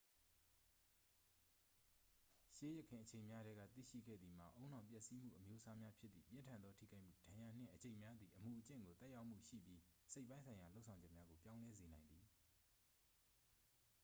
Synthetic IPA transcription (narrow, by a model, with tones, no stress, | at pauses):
ʃe˦jə˨kʰɪ̃˨ʔət͡ɕʰẽ˨ɪ̃mja˦ɾɛ˦ɡa̰˦˨t̪ḭ˦˨ʃḭ˦˨ɡɛ̰˦˨d̪ði˨m̥a̰˨ʔõ˦ʊ̃n̥ã˨mp̬jɛ˦ʔsi˦m̥ṵ˦˨ʔəmjo˦ʔəsa˦mja˦pʰjɪ˦t̪t̪ðḭ˦˨pjɪ̃˦ntʰã˨nd̪ðɔ˦tʰḭ˦˨ɡa˦ɪʔm̥ṵ˦˨dã˨ja˨n̥ɪ̰̃˦˨ʔət͡ɕẽ˨ɪ̃mja˦d̪i˨ʔəmu˨ʔət͡ɕɪ̰̃˦˨ŋɡo˨t̪ɛ˦ʔja˦ʊʔm̥ṵ˦˨ʃḭ˦˨pji˦se˦ɪʔpːã˦ɪ̃nsʰã˨ɪ̃ja˨lo˦ʊʔsʰã˨ʊ̃d͡ʑɛ˦ʔ̚mja˦ɡo˨pjã˦ʊ̃lɛ˦ze˨nã˨ɪ̃nd̪ði˨